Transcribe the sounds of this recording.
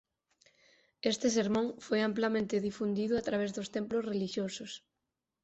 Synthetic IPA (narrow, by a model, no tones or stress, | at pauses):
est̪ɪseɾmõŋfojamplamẽnt̪ɪðifund̪iðʊat̪ɾaβezðost̪emplosreliʃjosʊs